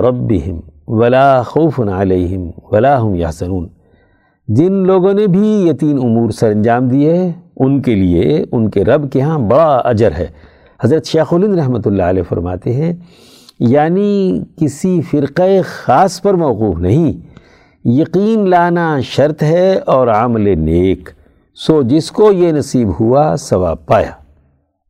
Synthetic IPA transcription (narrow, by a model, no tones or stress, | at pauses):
ɾɐbːɪɦɪmʋɐlaːxoʊfʊnɐleːɦɪmʋɐlaːɦʊmjɐhsɐnuːn | d͡ʒɪnloːɡõnebʱijɐt̪iːnʊmuːɾsɐɾɐ̃nd͡ʒaːmd̪ieʊnkeliḛʊnkeɾɐbkeɦãbɐɽaɐ̰d͡ʒəɾɦɛ̰ː | hɐzɾət̪ʃeːxʊlɪ̃nd̪ɾɐɦmət̪ʊlːaːlɛːfɐ̰ɾma̰ːt̪eɦɛ̃ | jaːnikɪsifɪɾqexaːspɐɾmɐːquːfnɐɦĩ | jɐqiːnlaːnaʃɐɾt̪ɦɛɔːɾɐmleneːk | sod͡ʒɪskojenɐsiːbɦuasɐʋa̰ːb̚paːja̰ː